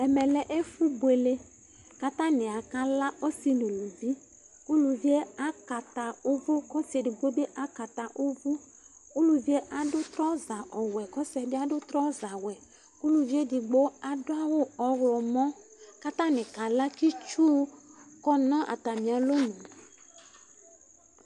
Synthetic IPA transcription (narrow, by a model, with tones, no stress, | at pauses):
ɛ˨mɛ˨lɛ˦ʔe˦fu˦bu˨e˨le˦ | ka˦t̪ã˦nɪ̃˨a˨ka˦la˦ʔo˦si˦nũ˨lu˨vi˦ | ku˦lu˨vi˦e˦a˦ka˨t̪a˨o˦vu˦kɔ˦si˨e˨di˨ɡ͡bo˦be˦ʔa˦ka˨t̪a˨ʔo˦vu˦ | ku˦lu˨vi˦e˦ʔa˨dʊ˦t̪ɾɔ˦za˨ʔɔ˨wɛ˨kɔ˦sɛ˨dɪ˦a˨dʊ˦t̪ɾɔ˦za˨wɛ˨ | ku˦lu˨vi˦e˦di˨ɡ͡bo˦a˨dʊ˦a˦wʊ˦ɔ˨ɣlɔ˨mɔ̃˦ka˦t̪ã˦nɪ̃˨ka˨la˦ki˦t͡ʃu˦kɔ˦nɔ̃˦ʔa˨ta˨mĩ˨a˨lo˦nũ˨